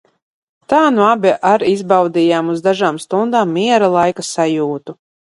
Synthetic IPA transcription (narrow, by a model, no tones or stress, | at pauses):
t̪aːnuabʲɛʔaɾizbawd̪ʲijaːmuzd̪aʒaːmst̪und̪aːmːiɛɾalˠajkasajuːt̪u